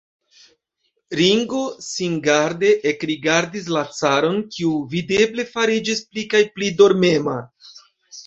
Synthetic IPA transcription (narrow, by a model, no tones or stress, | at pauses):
ɾiŋɡo̞siŋɡaɾde̞ʔekɾiɡaɾdis̬lat͡saɾo̞nkiuvide̞ble̞faɾid͡ʒisplikajplido̞ɾme̞ma